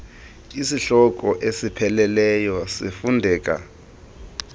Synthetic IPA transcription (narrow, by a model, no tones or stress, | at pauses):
isiɬɔk̬ʼɔʔesipʰɛlɛlɛjɔsifundʱɛːk̬ʼa̰